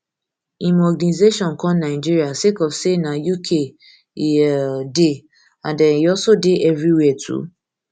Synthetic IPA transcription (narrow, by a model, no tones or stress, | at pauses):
imɔɡanizeʃɔ̃nkʰɔ̃mnaɪd͡ʒiɹiasekɔfsenajukʰe | de | ãndɛ̃niɔsodeʔɛvɹiwɛtʰṵ